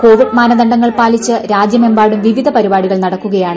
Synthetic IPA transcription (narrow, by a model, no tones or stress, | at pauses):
ko̞ːʋiɖmaːnɐd̪ɐɳɖɐŋːɐɭpaːlit͡ɕːɨɾaːd͡ʑjɐmembaːɽumʋiʋid̪ʱɐpɐɾibaːɽiɣɐɭnɐɽɐkːuɣɐjaːɳɨ